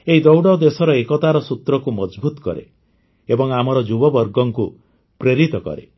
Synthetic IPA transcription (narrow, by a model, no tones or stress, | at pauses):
eɦid̪ɔwɽɔd̪esɔɾɔekɔt̪aɾɔsut̪ɾɔkumɔd͡ʒbut̪ɔ̥kɔ̰ɾḛ | ebɔŋamɔɾɔd͡ʒubɔbɔɾɡɔŋku | pɾeɾit̪ɔkɔ̰ɾḛ